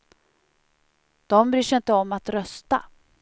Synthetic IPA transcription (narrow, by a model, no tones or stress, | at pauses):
d̪̥ɔmbɾyːʂɪnt̪əɔmːat̪ɾœst̪a̰